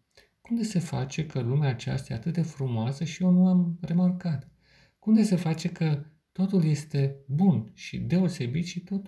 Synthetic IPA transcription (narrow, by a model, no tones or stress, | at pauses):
kund̪ese̞fa̰t͡ʃe̞kəlumeaːt͡ʃa̰st̪ja̰ːt̪ɨt̪̚d̪e̞fɾumoasəʃio̞nuamre̞markat̪ | kumd̪ese̞fat͡ʃe̞kə | t̪o̞t̪ulje̞st̪e̞bunʃḭd̪e̞o̞se̞bit̪ʃit̪o̞t̪